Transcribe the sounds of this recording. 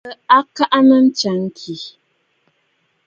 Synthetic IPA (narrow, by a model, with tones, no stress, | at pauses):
a˦ka˦ʔa˦nə˦n̩˦t͡ʃa˨˦ŋ̩˦kʰi˨